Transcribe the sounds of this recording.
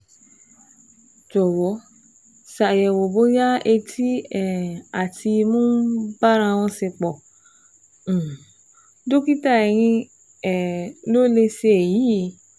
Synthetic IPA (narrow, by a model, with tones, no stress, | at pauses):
d͡ʒɔ˨wɔ˨˦ | sa˨jɛ˨wo˨bo˨˦ja˦e˧tʰi˦ɛ˨a˨tʰi˧mũ˦ba˦ɾ̃ã˧w̃ɔ̃˧se˧k͡pɔ˨˦˨ | do˦ki˦ta˦˨ɛ˨ɾ̃ĩ˧ | ɛ˨lo˦le˧se˧e˨ji˨˦i˨˦